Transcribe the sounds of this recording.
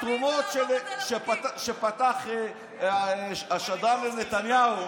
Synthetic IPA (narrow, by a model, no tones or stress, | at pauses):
t̪ʁumot̪ʃeʃepataʃepat̪aχe | aaʃad̪aɾlenet̪anjau